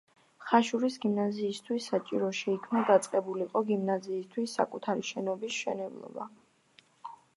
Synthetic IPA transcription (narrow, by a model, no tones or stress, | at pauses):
χaʃuɾisɡimnaziːst̪ʰwisːat͡ʃʼiɾɔʃɛikʰmnad̪at̪sʼqʼɛbuliqʼɔɡimnaziːst̪ʰwisːa̰kʼut̪ʰaɾiʃɛnɔbisʃɛ̰nɛblˠɔ̰ba̰